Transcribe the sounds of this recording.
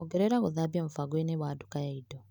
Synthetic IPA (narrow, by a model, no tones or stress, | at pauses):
oɡeɾeɾaɣoðaboɱfaɡweneβwaːdukajaido